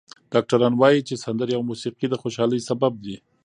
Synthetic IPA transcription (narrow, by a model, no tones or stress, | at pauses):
ɖ̥ɑk̚ʈaɾɑnwɑjit͡ʃesand̪əɾjawmusiqid̪əxoʃɑləjsabab̚d̪i